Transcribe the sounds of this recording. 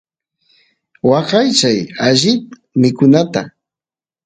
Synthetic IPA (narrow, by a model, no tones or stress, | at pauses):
wɑqɑjt͡ʃajaʒɪt̪ | mɪkʊnat̪a̰